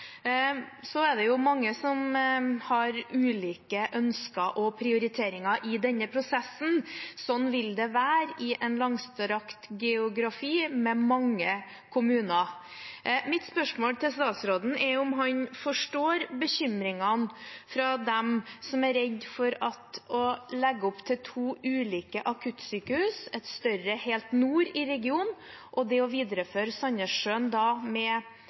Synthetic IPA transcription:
sɔɛd̪ɛjʊmɑŋːəsɔmhɑɾʉːliːkəʔœnskəʔɔpʰɾɪʊɾɪt̪ʰeːɾɪŋɑʔɪd̪ɛnːəpʰɾʊsɛsn̩sɔnːʋɪld̪ɛʋæːɾɪʔɛnlɑŋst̪əɾɑkt̪ɡɛʊɡɾɑfiːmɛmɑŋːə | kʰʊmʉːnɑ | mɪt̪spœʂmoːlt̪ʰɪlst̪ɑːt̪sɾoːd̪n̩ʔɛɾʊmɦɑnfɔʂʈoːɾbəɕʏmɾɪŋɑnfɾɑd̪ɛmsɔmæɾɛd̪fɔɾɑt̪ɔlɛɡːəɔpt̪ʰɪlt̪ʰuːʉːliːkəʔɑkʰʉt̪syːkəhʉːsɛt̪st̪œɾəheːlt̪nuːɾɪɾɛɡɪuːnʔɔd̪ɛɔʋiːd̪ɾəføːɾsɑnəʂønd̪ɑmɛ

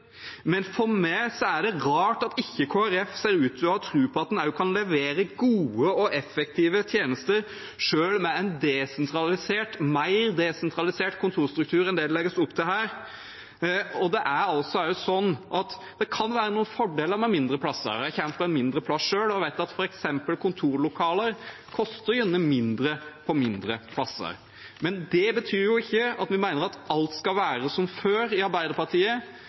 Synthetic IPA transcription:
mɛnfɔmæɪsɔæɖɛɾɑːʈɑt̪ɪçːəkʰoːæɾɛfseːɾʉːt̪ɔɑt̪ʰɾʉːpʰɔɑt̪̚d̪ɛnæɾjʊkʰɑnlɛʋeːɾəɡuːəɔʔɛfɛk̚t̪ʰiːʋət̪ʰjeːnəst̪əɾ | ʂøːlmɛæɪnd̪ɛsɛnt̪ʰɾɑlɪseːʈmæɪɾd̪ɛsɛnt̪ʰɾɑlɪseːʈkʰʊnt̪ʰuːɾst̪ɾʉkt̪ʰʉːɾɛnd̪ɛd̪ɛlɛɡːəsʊpːt̪ʰɪlɦæːɾ | ɔd̪ɛʔæɾɑlsɔæʊsɔnːʔɑt̪ | d̪̥ɛkʰɑnʋæːɾənuːənfɔɖeːləɾmɛmɪnd̪ɾəpʰlɑsːə̰ɾæçɛnt̪p̪lɛnmɪnd̪ɾəpʰlɑsʂøːlɔʋæɪt̪̚ːɑt̪fɔɾɛksɛmpəlkʰʊnt̪ʰuːɾɭʊkʰɑːləɾ | kʰɔst̪əɾjʏnːəmɪnd̪ɾəpʰɔmɪnd̪ɾəpʰlɑsːə̰ɾ | mɛnd̪ɛbət̪ʰyːɾjʊɪçːəɑt̪ʋɪmæɪnəɾɑt̪ɑlt̪skɑʋæːɾəsɔmføːɾɪɑɾbæɪd̪əɾpɑɾʈiːə

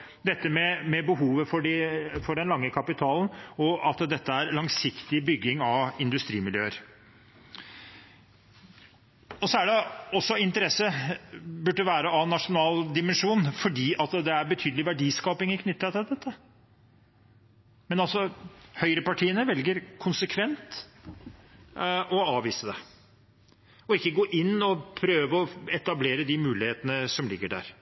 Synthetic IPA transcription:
d̪ɛt̪ːəmɛmɛbəɦuːʋəfɔɖɪfɔɖɛnlɑŋːəkʰɑpɪt̪ʰɑːlnɔɑt̪d̪ɛt̪ːəæɾlɑŋsɪkt̪ɪbʏɡːɪŋɑʋɪnd̪ʉst̪ɾiːmɪljø̰ːəɾ | ɔsɔæɖɛɔsːɔɪnt̪əɾɛsə | bʉɖːəʋæːɾəɑʋnɑʂʊnɑːld̪ɪmɛnʂuːnfɔɖiːɑt̪d̪ɛæɾbət̪ʰyːd̪əlɪʋæɖiːskɑːpɪŋɪkʰnʏt̪ːɾɑt̪ʰɪld̪ɛt̪ːə | mɛnɑlsɔhœʏɾəpɑʈʰiːənəʋɛlɡəɾkʰʊnsəkʰʋɛnt̪ | ɔɑːʋiːsəd̪ɛ̰ | ɔɪkːəɡoːʔɪnːɔpʰɾøːʋəɔɛt̪ɑbleːɾəd̪ɪmʉːlɪheːt̪ənəsɔmlɪɡːəɖæ̰ːɾ

